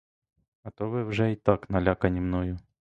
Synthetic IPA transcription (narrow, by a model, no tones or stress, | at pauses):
ɡɐt̪ovɨvʐɛit̪aknɐlʲakɐnʲɪmnojʊ